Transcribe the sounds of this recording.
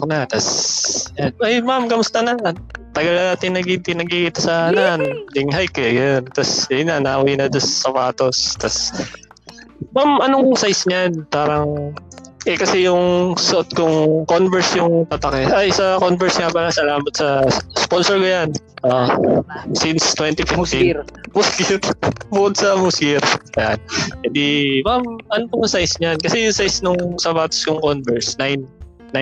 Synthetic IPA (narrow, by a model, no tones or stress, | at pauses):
knɐt̪ɐsjanʔajmamkɐmʊst̪ɐnɐt̪ɐɡɐlɐnaːt̪ɪnnɐɡɪt̪ɪnɐɡikɪt̪ɐsɐnand̪ɪŋɦajkɛjɐont̪ɐsjɐjʊnanaʔwinɐd͡ʒɐsːɐpaːt̪o̞st̪ɐs | mamʔɐnoŋsajsɲɐjanpaːɾɐŋ | ʔɛkɐsɛjʊŋsɐʔot̪̚kʊŋkonvɛɹsjʊŋt̪ɐt̪ɐkɛʔajsɐkonvɛɹsŋɐpɐlasɐlaːmɐt̪sɐsponsɔɹkojanʔo | sinst̪wɛnt̪ifɪft̪imuskiɾbʊkod̪̚sɐmuskiɾɐjankɛd̪imamʔɐnopɐjʊŋsajsɲankɐsɛjʊŋsajsnʊŋsɐbaːt̪ɐ̥skoŋkonvɛɹsnajnː | a